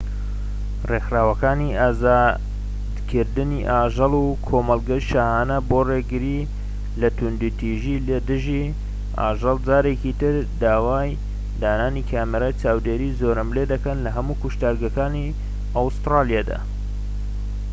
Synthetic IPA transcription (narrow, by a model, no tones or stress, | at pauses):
rexɾaːwɐkaːniaːzaː | d̪kʰɨɾd̪ɨniʔaːʒɨlukʰoːmɐlˠɡɐʃaːhaːnɐboreɡɨɾi | lɐt̪ʊnd̪ut̪ʰiʒilɐd̪ɨʒi | ʔa̰ːʒɨlˠd͡ʒaːɾekit̪ɨɾd̪aːwaːj | d̪aːnaːnikʰaːmeɾat͡ʃaːwd̪eːɾiːzoːɾɐmled̪ɐkɐnlɐɦɐmukuʃt̪aːɾɡɐkaːni | awst̪ɾaːlijaːd̪a̰